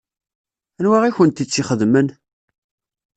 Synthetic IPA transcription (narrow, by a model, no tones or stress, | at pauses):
ænwæʁiçənt̪it͡sːiχəðmən